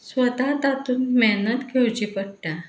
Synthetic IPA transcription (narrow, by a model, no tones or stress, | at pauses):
sʋət̪at̪at̪uːnmɛnət̪kʰewt͡ɕipəɽʈ̪a